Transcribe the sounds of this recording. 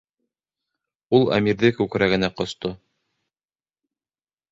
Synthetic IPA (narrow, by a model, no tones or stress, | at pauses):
ulˠæ̰miɾðɘkʉkɾæɡɘ̆næqŏst̪o